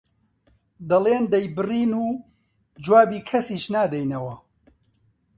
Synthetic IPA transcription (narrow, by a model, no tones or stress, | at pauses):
d̪ɐlˠeːnd̪ɐjbɨriːnuː | d͡ʒwaːbiːkʰɐsiːʃnaːd̪ɐjnɐwɐ